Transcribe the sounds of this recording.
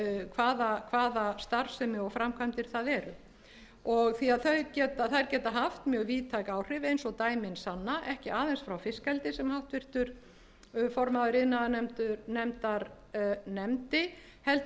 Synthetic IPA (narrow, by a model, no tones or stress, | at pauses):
kʰvaːðakʰvaːðast̪aɾ̥sɛmɪɔɣfɾamkʰvamt̪ɪɾ̥θaðɛɾʏ | ɔɣθiaðθœɥɾcɛːt̪aθajɾcɛːt̪aɦaft̪mjœːɣviːt̪ʰajkaːwr̥ɪvejnsɔɣt̪aːjmɪnsanːaʔɛhcɪaːðɛnsfɾawfɪskɛlt̪ɪsɛmhawht̪vɪr̥t̪ʏɾ̥ | fɔɾmaðʏɾɪnaðanɛmt̪ʏɾnɛmt̪aɾ | nɛmt̪ɪ | hɛlt̪